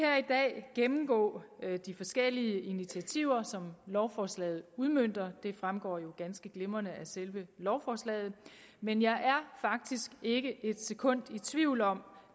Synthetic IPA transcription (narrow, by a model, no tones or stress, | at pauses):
æɐid̥ɛ̰ːɡ̥emm̩ɡ̥ɔ̰ːd̥ifɒ̽sɡ̥el̰iəʔinit͡sʰiæt͡sʰiʊ̰ɐsɒ̽mlɒʊfɒːslɛ̰ːð̞̩ˠuð̞ˠmøn̰d̥ɐd̥e̝fʁamɡ̥ɒ̰ːjo̝ɡ̥ænsɡ̥əɡ̥le̝mɐnəæselʋəlɒʊfɒːslɛ̰ːð̩ˠ | menjɑ̈ɪʔæɐfɑ̈ɡ̥̚d̥isɡ̥e̝ɡ̥əʔe̝d̥se̝kʰɔ̽n̰d̥it͡sʰʋiʊ̰lɒ̽m